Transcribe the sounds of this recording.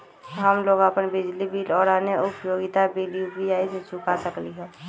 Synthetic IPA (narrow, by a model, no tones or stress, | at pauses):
ɦəmloːɡəpənbɪd͡ʒlibiːlɔːɾaːneʊpjoːɡɪt̪abiliubijaːiset͡ʃʊkasəkliɦɛː